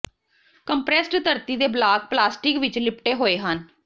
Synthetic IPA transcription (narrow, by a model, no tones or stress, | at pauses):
kəmpɾɛsʈt̪əɾt̪iːd̪eːblaːk̚plaːsʈɪkʋɪt͡ʃlɪpʈeːɦoːeːɦən